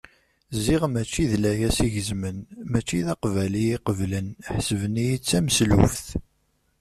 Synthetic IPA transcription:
ziʁmæt͡ʃːiðlæjæsiʝəzmənmæt͡ʃːiðɑqvæliiqəvlənħsəvənijit͡sːæmslufθ

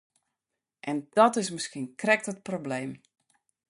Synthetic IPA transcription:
ʔɛnd̥ɔtɪsmɪskiənkrɛk̚tət̚probleːm

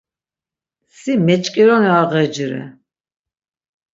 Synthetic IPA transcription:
simɛt͡ʃʼkʼiɾɔniaʁɛd͡ʒɾɛ̰

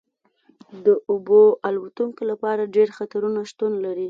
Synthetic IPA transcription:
d̪əʔʊboalwat̪uŋkolapɑɾaɖeɾxat̪aɾunaʃt̪unlaɾi

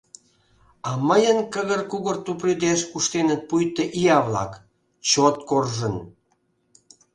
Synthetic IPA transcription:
ɑməjənkəɣərkuɣə̆rt̪upryd̪eʃkuʃt̪enə̆t̪̚pujt̪eʔijɑβlɑ̰k | t͡ɕot̪korʒən

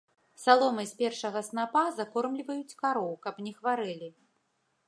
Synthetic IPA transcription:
salˠɔmɨsʲpʲɛrʂɐɣɐsnapazakɔrmlʲivɐjut͡sʲkaɾɔwkɐpnʲɛxvaɾɨlʲi

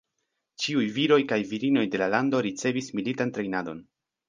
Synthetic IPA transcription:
t͡ʃiujviɾo̞jkajviɾino̞jde̞lalando̞ɾit͡se̞vismilitantɾe̞jnado̞̰n

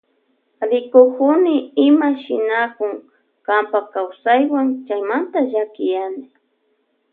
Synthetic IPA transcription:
ɾɪkʊkʊnɪɪmaʃɪ̰nakʊŋ | kampakawsajwaŋt͡ʃajmant̪aʒakɪjanɪ

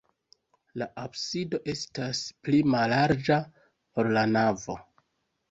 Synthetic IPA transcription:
laʔabsido̞ʔe̞stasplimalaɾd͡ʒa | po̞ɾlanavo̞

